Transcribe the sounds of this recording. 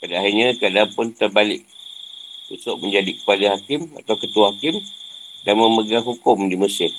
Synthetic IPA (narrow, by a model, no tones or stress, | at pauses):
padaaɦirɲãkəadanpʊnt̪ərbalɪk̚ | tusʊʔməɲd͡ʒadikəpadaɦakɪma̰t̪awkət̪uwahakɪmdanmə̃məɡaŋɦukʊmdiməsɪr